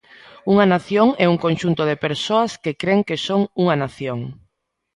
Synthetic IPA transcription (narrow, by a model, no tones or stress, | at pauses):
uŋanaθjoŋɛuŋkõnʃunt̪oðepeɾsoaskekɾeŋkesoŋuŋanaθjoŋ